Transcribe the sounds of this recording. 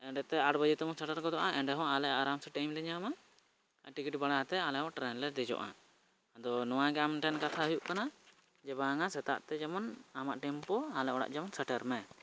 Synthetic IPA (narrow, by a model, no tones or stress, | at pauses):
ɛɳɖɛt̪ɛaʈbəd͡ʒit̪ɛmɔsɛʈaɾɡɔd̪ɔʔaʔɛɳɖɛɦɔ̃alɛaɾamsɛʈajmlɛɲama | ʈikiʈbaɽaat̪ɛalɛɦɔ̃ʈɾɛnlɛd̪ɛd͡ʒɔ̰ʔa̰ | d̪ɔnɔwaɡɛamʈɛnkat̪ʰaɦujuʔkana | d͡ʒɛbaŋasɛt̪a̰ʔt̪ɛd͡ʒamɔnamaʔʈɛmpɔalɛʔɔɽa̰ʔd͡ʒamɔnsɛʈaɾmɛ